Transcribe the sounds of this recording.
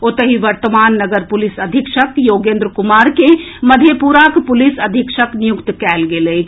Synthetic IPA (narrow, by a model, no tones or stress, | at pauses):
oːt̪əɦiʋəɾt̪əmaːnːəɡəɾpulisəd̪ʱikʃəkjoːɡẽːnd̪ɾkumaːɾkeməd̪ʱjepuɾakpʊlisəd̪ʱikʃəknijukt̪kɛːlɡele